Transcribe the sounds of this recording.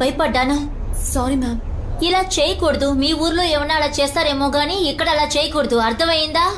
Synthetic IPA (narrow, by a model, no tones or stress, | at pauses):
pɐjpɐʈːaːnɯ | saːɾimaːm | ɪlaːt͡ʃejkoɽɯðumiːuːɾloːɛʋɐnːaːlaːt͡ʃeːst̪aːɾeːmoːɡaːniɪkːɐɽɐlaːt͡ʃejkːoɽɯðuɐɾt̪ɐʋɐjɪnd̪aː